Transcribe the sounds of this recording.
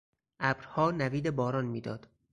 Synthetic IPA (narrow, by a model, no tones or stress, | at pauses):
ʔæbɾhɒːnæviːd̪ebɒːɾɒːnmiːd̪ɒ̰ːd̪̥